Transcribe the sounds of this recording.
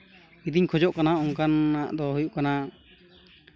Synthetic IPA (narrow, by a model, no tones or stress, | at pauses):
id̪iɲkʰɔd͡ʒɔʔkanaʔɔŋkanaʔd̪ɔɦujuʔkana